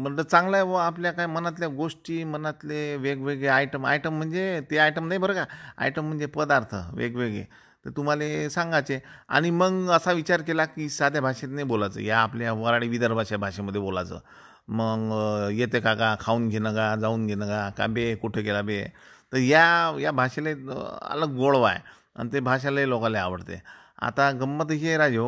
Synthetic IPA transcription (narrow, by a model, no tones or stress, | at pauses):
m̤əɳd͡zət͡sãŋɡlajʋəapljakajmənat̪ljaɡoʂʈiːmənat̪leʋeɡʋeɡɭeajʈəma̰jʈəm̤ːəɳd͡zet̪eajʈəmnajbʱəɾəkaa̰jʈəm̤əɳd͡zepəd̪aɾt̪ʰə̰ʋḛɡʋeɡɭḛ | t̪et̪um̤alesãŋɡat͡sea̰ɽ̃iməɡəsaʋit͡ɕaɾkelakisad̪ʱjabʱaʂet̪nebolat͡sə̰ːjaːpljaʋəɾaɽiʋid̪əɾbʱaʂabʱaɕeməd̪ʱːjebola̰t͡sə̰ː | məɡjet̪ekakakʰauːnɡʱenəɡad͡zauːnɡʱenəɡaka̰bekuʈʰekelabet̪əɾjajabʱaɕeleə̰ləɡːoɭʋa̰e | a̰nit̪ebʱaɕ̬allokaleaʋəɽt̪ḛ | a̰t̪aɡəmːət̪ɦeɾad͡ʑo